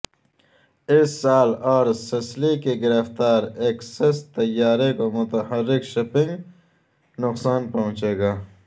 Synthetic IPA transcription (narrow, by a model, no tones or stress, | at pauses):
ɪsːaːloːɾsɐslekeɡɪɾɐft̪aːɾeːksɐst̪ɐjːaːɾekomʊt̪ɐhɐɾːɪkʃopɪ̃ŋɡ | nʊqsaːnpɐɦũt͡ʃeːɡaː